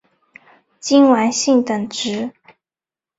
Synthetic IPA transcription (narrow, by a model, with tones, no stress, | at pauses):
t͡ɕi˥nwa˧˥nɕi˥˩ŋt̪ə˨˩ŋʈ͡ʂɻ̩˧˥